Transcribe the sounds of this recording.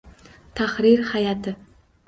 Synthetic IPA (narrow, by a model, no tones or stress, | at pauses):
t̪ʰahɾiɾhajɑt̪ʰɪ